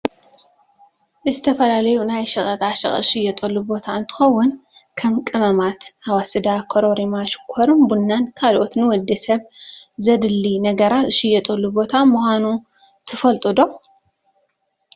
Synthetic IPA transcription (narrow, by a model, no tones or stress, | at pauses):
ʔɨzɨt̪ʰɐfɐlalɐjunajʃɐχʼɐt̪ʼaʃɐ̰χʼʃɪjɛt̪ʼɐlːubo̞t̪ʰaɨnt̪ʰɨ̥xɐwːʊnkʰɐmkʼɨmɐmat̪hawasɨd̪akʰoɾoɾimaʃkʰoɾɨnbunːankʰalʔot̪nɨwɔld̪ɐsɐβzɐd̪ɨlːinɐɡɐɾat̪ɨʃɪjɛt̪ʼɐlːubo̞t̪ʰamuxʷanu | t̪ʰɨfɐlt̪ʼɨd̪o̞